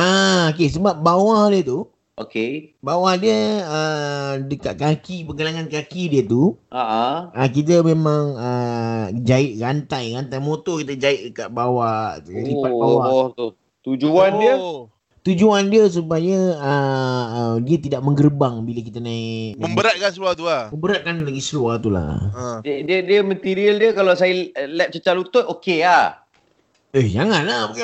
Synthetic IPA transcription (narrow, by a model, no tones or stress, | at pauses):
aok̬es̬əbap̚bawahdiət̪u | okebawahdiəədəkaʔ̪̚kakipəɡalaŋankakidiət̪uaʔaək̬it̪̬əmẽmãŋə | d͡ʒaɪʔ̪̚ɾant̪ajɾant̪ajmot̪ɔkit̪əd͡ʒaɪʔ̪̚dəkaʔ̪̚bawaʔipat̚bawat̪u | t̪ud͡ʒuandiə | t̪ud͡ʒuandiəs̬upajəəədiət̪idaʔməŋɡərbaŋbilək̬it̪anaiməmbəɾaʔ̪̚kansluat̪ulaməmbəɾaʔ̪̚kanlaɡisəluat̪ula̰dədədiəmət̪iɾiəldiəkalasajəlɛp̚t͡ʃət͡ʃalut̪ʊt̪okea | ehd͡ʒaŋanlah